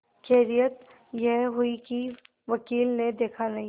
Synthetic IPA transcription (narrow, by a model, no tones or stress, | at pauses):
kʰeːɾijət̪̚ | jɛɦɦʊiki | ʋɐkiːlned̪eːkʰanɐɦĩ